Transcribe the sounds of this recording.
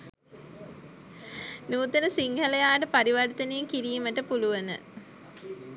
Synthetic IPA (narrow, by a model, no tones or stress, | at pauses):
nuːt̪ənəsiŋhəlejaːʈəpaɾiʋɐrt̪ənejeŋkiɾiːməʈəpuluʋɐnə̰